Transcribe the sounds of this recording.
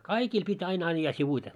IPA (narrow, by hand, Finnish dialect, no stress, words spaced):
kɑikiːl pitʲ ɑin ɑĭjːɑ siʋuite